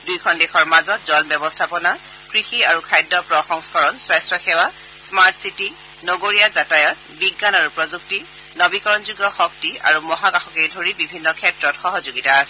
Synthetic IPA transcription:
dujkʰɔndexɔɹmazɔtzɔnbɔbɔstʰapɔna | kɹixiaɹukʰajdɔpɹɔxɔŋskɔɹɔnswajstɹɔxɛwa | smaɹtsiti | noɡoɹijazatajɔt̚ | biɡːanaɹupɹɔzuk̚ti | nɔbikɔɹɔnzuɡɔxɔk̚tia̰ɹumɔɦakaxɔkejdʱoɹibibʱinːɔkʰɛtɹɔtxɔɦɔzuɡitaːsɛ

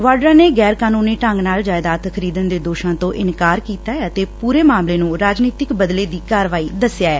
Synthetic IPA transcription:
ʋaːɖɾãːneːɡɛːɾkaːnuːniːʈəŋɡnaːld͡ʒaːjd̪aːt̪xʰəɾiːd̪ənd̪eːd̪oːʃãːt̪õːʔɪnkaːɾkiːt̪aːət̪eːpuːɾeːmaːmleːnũːɾaːd͡ʒniːt̪ɪkbəd̪leːd̪iːkaːɾʋaːiːd̪əsːɪjaːɛː

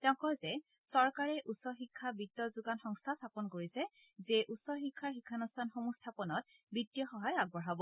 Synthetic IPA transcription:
tɛʊ̃kɔjzɛ | sɔɹkaɹɛʔusɔɹxikʰːabitːɔzuɡanxɔŋstʰastʰapɔnkoɹisɛ | zeʔusɔxikʰːaɹxikʰːanustʰanxomustʰapɔnɔt̚bitːijɔxɔɦajaɡ̚bɔɹabɔ

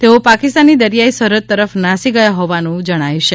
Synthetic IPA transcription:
t̪eopakist̪anːid̪əɾijaisəɾət̪ːəɾəfnasiɡəjaɦoʋanũd͡ʒəɽ̃aiʃe

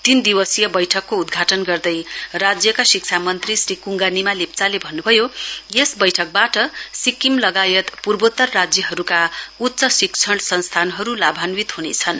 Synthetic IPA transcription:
t̪ind̪iwʌsijʌbʌjʈʰʌkːoud̪ɡʱaʈʌnɡʌrd̪ʌjrad͡zjʌkasikt͡sʰamʌnt̪risrikuŋɡanimalip̚t͡salebʱʌnːubʱʌjojesbʌjʈʰʌk̚baʈʌsikːimlʌɡajʌt̪purbot̪ːʌrːad͡zjʌɦʌɾukaut̪ːsʌsikt͡sʰʌɽsʌnst̪ʰanɦʌɾulabʱanwit̪ɦunet͡sʰʌn

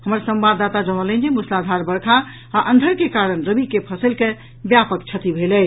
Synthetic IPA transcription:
həməɾsə̃mbabd̪at̪ad͡ʒəñələ̃nd͡ʒemuslad̪ʱaɾbəɾkʰa | aːʔənd̪ʱəɾkekaɾənɾəbikepʰəsəlke | bjapək̚t͡ʃʰət̪ibʱelə

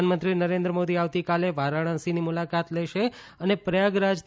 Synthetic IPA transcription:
anmənt̪ɾinəɾẽnd̪ɾəmod̪iaʋt̪ikaleʋaɾaɽ̃ə̃sinimulakat̪lɛʃe | ənepɾəjaɡɾad͡ʒt̪

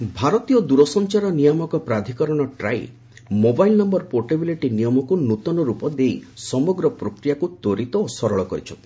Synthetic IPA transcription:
bʱaɾɔt̪ijɔd̪uɾɔsɔnt͡ʃaɾɔnijɔmɔkɔpɾad̪ʱikɔɾɔɽ̃ɔʈɾa̰j | mobajlnɔmbɔɾpoʈebileʈinijɔmɔkunut̪ɔnɔɾupɔd̪ejsɔmɔɡɾɔpɾɔkɾijakut̪oɾit̪ɔosɔɾɔɭɔkɔɾit͡ʃʰɔ̰n

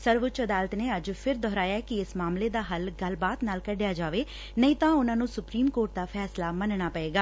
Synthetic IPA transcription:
səɾʋʊt͡ʃəd̪aːlət̪neːəd͡ʒpʰɪɾd̪ɔːɾaːjaːkɪɪsmaːmleːd̪aːɦəlɡəlbaːt̪naːlkəɖjaːd͡ʒaːʋeː | nəĩːt̪ãːʊnãːnũːsʊpɾiːmkoːɾʈ̚d̪aːpʰɛːslaːmənɳ̃aːpəeːɡaː

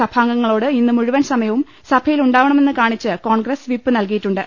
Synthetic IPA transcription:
ɐbʰʱaːŋɡɐŋːɐɭo̞ːɽɨinːɨmuɻuʋɐnsɐmɐjɐʋum | sɐbʰʱɐjiluɳɖaːʋɐɳɐme̞nːɨkaːɳit͡ɕːɨko̞ːɳɡɾɐsʋipːɨnɐlkijiʈːuɳɖɨ

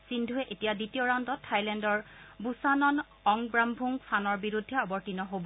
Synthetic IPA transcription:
sindʱuɦɛʔetijaditijoɹandɔtʰːajlɛndɔɹbusanɔn | ɔŋbɹambʱuŋsʰanɔɹbiɹudʱːɛɔbɔɹtinɔɦobɔ

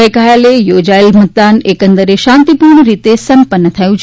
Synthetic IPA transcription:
əjkajalejod͡ʒaelmət̪̚d̪anekənd̪əɾeʃãnt̪ipuɾɳəɾit̪esəmpənːət̪ʰəjũt͡ʃʰ

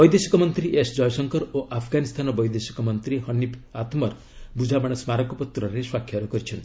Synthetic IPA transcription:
bɔjd̪esi̥kɔmɔnt̪ɾiʔesd͡ʒɔjɔsɔŋkɔɾoʔapʰɡanist̪ʰanɔbɔjd̪esi̥kɔmɔnt̪ɾiɦʌnipʰat̪mɔɾ | bud͡ʒʱabaɽ̃ɔsmaɾɔkɔpɔt̪ɾɔɾeswakʰːjaɾɔkɔɾit͡ʃʰɔnt̪i̥

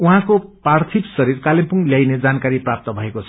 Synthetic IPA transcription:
uɦãkopart̪ʰipsʌɾirkalempuŋljajned͡zankaɾiprap̚t̪ʌbʱʌekot͡sʰʌ

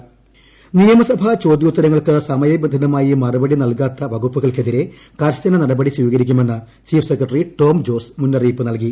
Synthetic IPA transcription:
nijɐmɐsɐbʱɐt͡ɕo̞ːd̪juːt̪ːɐɾɐŋːɐɭkɨsɐmɐjɐbend̪ʱɐnɐmaːjimɐrubɐɽinɐlkaːt̪ːɐʋɐɡupːuɣɐɭke̞ðiɾe̞ | kaːɾst̪ɐnɐnɐɽɐbɐɽisʋiːɣɐɾikʲːume̞nːɐ | t͡ɕiːfsekrɐʈːɐriʈo̞ːmd͡ʑo̞ːsmunːɐriːpːɨnɐlk̬i

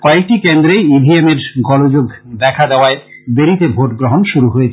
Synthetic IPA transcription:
kɔek̚ʈikend̪ɾejibʱiemeɾɡɔlod͡ʑoɡd̪ɛkʰad̪eoaebeɾit̪ebʱoʈɡɾoɦonʃuɾuɦojet͡ɕʰe

